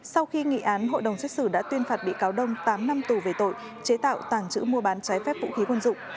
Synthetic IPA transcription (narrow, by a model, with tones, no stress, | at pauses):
sa˧wxi˧ŋḭ˧˨ʔaː˨˦nɦo̰˧˨jɗə˨˩wŋ͡msɛ˦˥k̚sɨ˧˩ɗa̰ː˧˥t̪wi˧ənfaː˨˩t̚ɓḭ˧˨kaː˨˦wɗə˧wŋ͡mt̪aː˨˦mna˧mt̪u˨˩ve˨˩t̪o̰˧˨j | t͡ɕe˨˦t̪a̰ː˧˨wt̪aː˧˩ŋt͡ɕɨ̰˧˥mu˧əɓaː˨˦nt͡ɕaː˨˦jfɛ˦˥p̚vṵ˧˥xi˨˦kwə˧nzʊ̰˧˨ŋ͡m